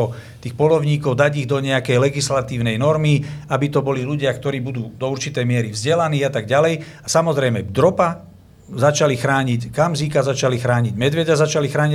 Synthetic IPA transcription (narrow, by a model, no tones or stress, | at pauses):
ɔt̪iːxpɔlɔʊɲiːkɔʊd̪aɟiɣd̪ɔɲɛakɛjlɛɡislat̪iːʊnɛjnɔɾmiabit̪ɔbɔliluɟɪakt̪ɔɾiːbud̪uːd̪ɔuɾt͡ʃit̪ɛjmɪɛɾivzɟɛlaniːat̪aɡɟalɛj | asamɔzɾɛjmɛd̪ɾɔpa | zat͡ʃalixɾaːɲickamziːkazat͡ʃalixɾaːɲiɟmɛd̪ʋɛɟazat͡ʃalixɾaːɲi